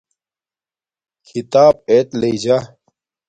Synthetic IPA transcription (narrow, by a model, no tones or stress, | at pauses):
kʰit̪aːb̚eːt̪leid͡ʑa